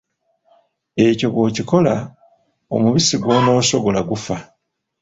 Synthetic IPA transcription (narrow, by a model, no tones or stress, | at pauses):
e̞co̞βwo̞ːciko̞la | o̰muβisiɡwo̞ːno̞ːso̞ɡo̞laɡufa